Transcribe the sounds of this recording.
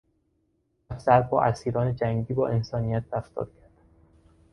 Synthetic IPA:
æfzæɾbɒ̰ːʔæsiːɾɒːned͡ʒæŋɟiːbɒːʔe̞nsɒːnijæt̪̚d̪æft̪ɒ̰ːɾcʰæɾd̪̥

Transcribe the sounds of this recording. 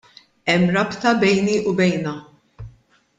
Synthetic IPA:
ɛmːɾɐpt̪ɐbɛjniʔʊbɛjnɐ

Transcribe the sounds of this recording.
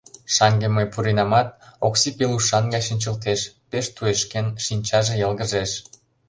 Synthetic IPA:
ʃɑŋɡeməjpuɾinɑmɑt̪̚oksipeluʃɑnɡɑjʃinʲt͡ɕə̆lt̪̬eʃpeʃt̪ueʃkenʃinʲt͡ɕɑʒejɑlɣə̆ʒeʃ

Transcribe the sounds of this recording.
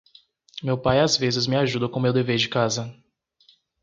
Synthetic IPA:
mewpajazvezɪzmɪaʒud̪ɐkõmewd̪eveɾd͡ʒɪkazɐ

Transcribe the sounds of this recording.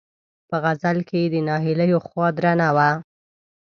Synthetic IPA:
pəɣazalked̪ənɑɦɪləjoxwɑd̪ɾanawa

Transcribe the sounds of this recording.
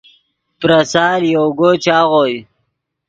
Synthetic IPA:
pɾasaːljowɡot͡ʃaːʁoj

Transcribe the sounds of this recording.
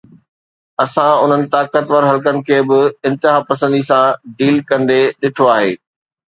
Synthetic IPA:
ɐsãʊn̤ənɪ̆t̪aːkət̪ʋəɾɦɐlkənɪ̆kʰeːbɪɪ̃nt̪ɪɦaːpɐsə̃nd̪isãɖiːlkɐ̃nd̪eɗɪʈʰoaːɦeː

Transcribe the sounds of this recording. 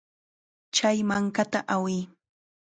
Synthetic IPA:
t͡ʃajmaŋkat̪aʔawɪː

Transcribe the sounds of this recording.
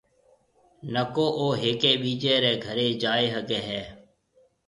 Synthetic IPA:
nəkoːʔoːɦeːkeːɓiːd͡ʒeːɾeːɡʱəɾeːd͡ʒaːeːɦəɡeːɦɛː

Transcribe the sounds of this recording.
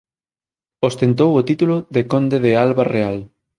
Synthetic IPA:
ost̪ent̪̬owot̪it̪ulʊðekond̪eðealβareal

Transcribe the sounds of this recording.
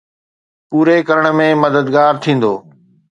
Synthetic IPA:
puːɾekɐɾəɽ̃mẽmɐd̪əd̪ɡaːɾt̪ʰĩːn̆d̪oː

